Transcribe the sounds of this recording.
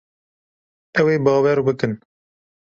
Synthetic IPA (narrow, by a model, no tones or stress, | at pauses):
ɛweːbɑːwɛɾubɨkɨn